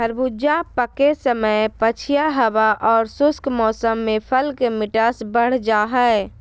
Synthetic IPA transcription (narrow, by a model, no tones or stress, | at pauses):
əɾbʱud͡ʒapəkesəməjpət͡ʃʰijaɦəbaʔɔːɾsʊskʰmɔːsəmːẽpʰəlkemɪʈaːsbəɽ̤d͡ʒaɦɛe